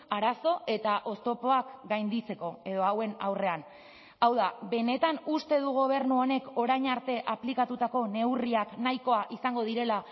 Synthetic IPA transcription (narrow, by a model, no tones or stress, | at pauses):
aɾaso̞ʔe̞t̪aʔo̞st̪o̞po̞akɡajnd̪it͡se̞ko̞e̞ð̞oawe̞nawre̞an | awðabe̞ne̞t̪anust̪e̞ðuɣ̞o̞β̞e̞ɾnuo̞ne̞ko̞ɾajɲaɾt̪e̞ʔaplikat̪ut̪ako̞ne̞wriaknajko̞aʔisaŋɡo̞ð̞iɾe̞la